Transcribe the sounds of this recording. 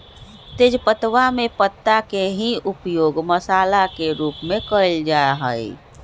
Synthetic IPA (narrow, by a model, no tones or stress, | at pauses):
t̪eːd͡ʒpət̪ʋamepət̪ːakeɦiupjoːɡməsaːlakeɾuːpmẽkəld͡ʒaɦəj